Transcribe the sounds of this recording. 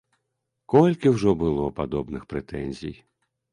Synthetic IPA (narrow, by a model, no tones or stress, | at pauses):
kɔlʲkɪwʒɔbʊlˠɔpɐd̪ɔbnɪxpɾet̪ɛnʲzʲij